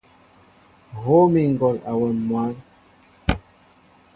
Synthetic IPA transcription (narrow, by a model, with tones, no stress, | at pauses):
ɣo˦mi˨ŋ̩˨ɡɔ˨la˨wɛ˨mmwa˦n